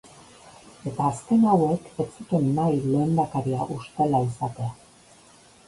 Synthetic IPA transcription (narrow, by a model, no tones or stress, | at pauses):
e̞t̪aːske̞nawe̞ke̞t͡sut̪eninajleːnd̪akaɾiaʔust̪e̞laisat̪e̞a